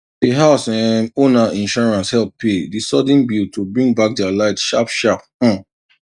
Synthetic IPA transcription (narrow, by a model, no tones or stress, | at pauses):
diɦaʊsɛ̃monaʔĩnʃɔɹãnshɛlˠp̚pedisɔd̃nbiltʰubɹĩŋbak̚dɛalaɪtʃapʃap̩̚